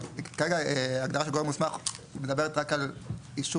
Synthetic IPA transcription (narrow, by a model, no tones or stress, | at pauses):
kaʁeɡaeaɡd̪aʁaʃeɡoemusmaχmed̪abe̞ʁet̪ʁakaliʃ